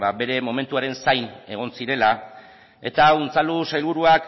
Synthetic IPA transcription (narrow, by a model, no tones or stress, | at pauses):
babe̞ɾe̞mo̞me̞nt̪uaɾe̞nsajne̞ɣ̞o̞nsiɾe̞la | e̞t̪aunt͡salusajlβuɾuak